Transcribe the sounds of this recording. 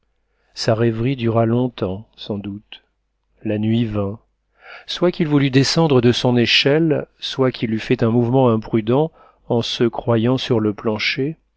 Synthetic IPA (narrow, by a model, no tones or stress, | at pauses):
saʁɛvʁid̪yʁalɔ̃t̪ɑ̃sɑ̃d̪ut̪ | lanɥivɛ̃ | swakilvulyd̪esɑ̃d̪ʁəd̪əsɔ̃neʃɛlswakʰʲilyfɛt̪ɛ̃muvmɑ̃ɛ̃pχyd̪ɑ̃ | ɑ̃səkχwajɑ̃syʁləplɑ̃ʃe